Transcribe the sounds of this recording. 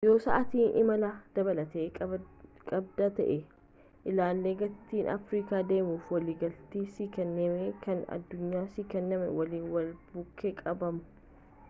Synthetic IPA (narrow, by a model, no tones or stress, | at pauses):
jo̞ːsɐ̰ʔɐt̪iːnʔɪmɐlaːd̪̥ɐbɐlɐt̪ekʼɐ | kʼɐb̚d̪aːt̪ɐ̰ʔɛ | ʔɪlaːlːeːɡɐt̪iːnɐ̰fɾiːkaːd̪eːmuːfwɐliːɡɐlt̪iːsiːkɛnːeːmekʰɐnɐ̰d̪ːʊɲːaːsiːkɛnːɐmɛwɐliːnwɐlbʊkʰːekʼɐbɐmʊ̥